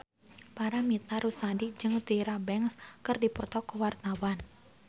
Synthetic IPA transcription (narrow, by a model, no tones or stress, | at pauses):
paɾamit̪aɾusadid͡ʒɨŋut̪iɾabɛŋskɨrdipɔt̪ɔkəwart̪awan